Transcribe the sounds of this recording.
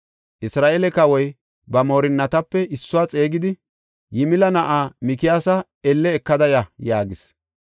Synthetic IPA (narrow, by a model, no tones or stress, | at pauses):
ʔɪsɾaːʔelɛkɐwɔj | bɐmo̞ːɾɪnːɐt̪ɐpːɛʔɪsːʊwaːt͡sʼe̞ːɡɪd̪ɪ | jɪmɪlɐnɐʔaːmɪkɪjaːsɐ | ɛlːɛːkːɐd̪ɐjɐjaːɡɪs